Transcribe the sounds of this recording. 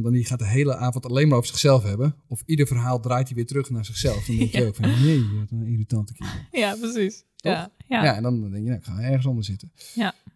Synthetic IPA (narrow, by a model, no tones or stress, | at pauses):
ndɔnixaːtdəɦeːlˠəʔaːvɔntaleːnmaɾoːvərsɪ̥xsɛlˠfhɛbəɔfidərfərɦaːlˠdraːjtiʋɪːtərøxnarz̥ɪxsɛlˠfdɔndɛŋkjjəoːkfɔnnejjtiritɑntəkʰɪəaprsis | tɔxjaɛndɔndɛŋkjənaɪkxaɛɹɣəns̬ɔndərsɪtə